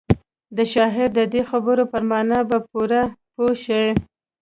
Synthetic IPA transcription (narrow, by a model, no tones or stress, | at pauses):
d̪əʃɑɦɪɾd̪əd̪exabəɾopəɾmɑnabapuɾapoʃa